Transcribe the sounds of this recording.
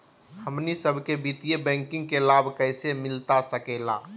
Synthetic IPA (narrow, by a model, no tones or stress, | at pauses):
həmnisəbʱkebit̪ijebɛ̃ŋkɪ̃ŋɡ̚kelabʱkəɪsemɪlt̪asəkela̰